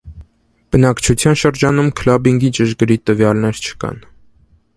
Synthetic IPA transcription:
b̥ənɑkt͡ʃʰut͡sʰjɑnʃəɾd͡ʒɑnumkʰlɑbiŋɡit͡ʃəʃɡəɾit̪əvjɑlnɛɾt͡ʃʰə̥kɑ̰n

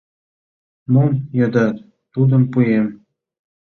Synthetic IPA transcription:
munjɤ̆d̪ɑt̪ | t̪ud̪ɤ̆mpujem

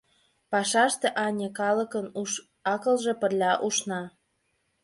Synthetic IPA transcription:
pɑʃɑʃt̪ĕʔɑnʲekɑlə̆kənu | ɑkə̆lʒĕpə̆rlʲɑʔuʃnɑ

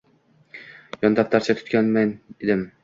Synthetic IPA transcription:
jɒnd̪ap̚t̪ʰaɾt͡ʃʰat̪ʰʊ̥t̪̚kʲanmaned̪ɪm

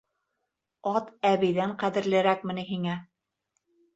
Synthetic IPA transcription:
ɑt̪æβɘ̆jðæɴqæðɘ̆ɾlɘ̆ɾæk̚mɘ̆nɘɦiŋæ

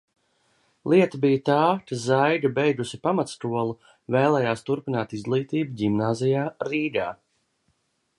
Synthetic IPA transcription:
lˠʔiɛt̪abijt̪aːkazajɡabɛjɡ̪usipamat̪st̪uɔlˠu | vɛːlˠɛːjaːst̪uɾpinaːt̪izɡlˠiːt̪iːbuɟimnaːzijaːɾiːɡaː

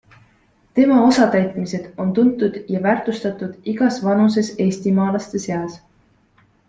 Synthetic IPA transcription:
t̪e̞mɑo̞sɑt̪æjt̪ˑmise̞d̪̥o̞nt̪unt̪ːˑud̪̥jɑvæːrt̪ˑust̪ɑt̪ˑud̪̥iɡ̥ɑsvɑnus̬e̞se̞ːsʲt̪imɑːlɑst̪e̞se̞ɑs

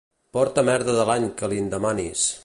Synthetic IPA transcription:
pɔɾt̪əmɛɾðəðəlaɲkəlind̪əmanis

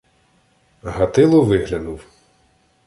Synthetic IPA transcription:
ɦɐt̪ɪlˠʊʋɪɦlʲɐnʊw

